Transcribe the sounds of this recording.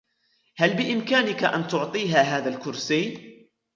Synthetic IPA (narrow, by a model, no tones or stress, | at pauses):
halbɪʔɪmkaːnɪkaʔa̰nt̪ʊʕt̪ˤiːɦaːɦaːðalkʊɾsiː